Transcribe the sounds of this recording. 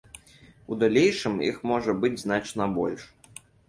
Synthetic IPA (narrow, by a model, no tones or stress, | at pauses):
ud̪alʲejʂɨmjḭxmɔʐɐbɨd͡zʲzn̪at͡ʂn̪ɐbɔ̰lʲʂ